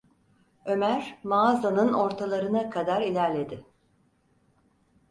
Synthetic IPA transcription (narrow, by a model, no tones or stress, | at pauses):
ø̞mæɾmazanɯno̞ɾt̪ʰalˠaɾɯnakʰad̪aɾilʲæɾlʲe̞d̪ɪ